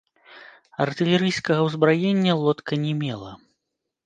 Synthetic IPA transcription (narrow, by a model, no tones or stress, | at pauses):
ɐrt̪ɨlʲɛɾɨjskɐɣɐwzbɾajenʲːɐlˠɔt̪kɐnʲɛmʲɛlˠɐ̰